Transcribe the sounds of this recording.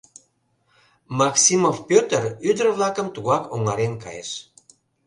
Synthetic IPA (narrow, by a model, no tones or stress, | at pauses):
mɑksimofpʲøt̪əryd̪ərβlɑkəmt̪uɣɑkoŋɑɾenkɑ̰jḛʃ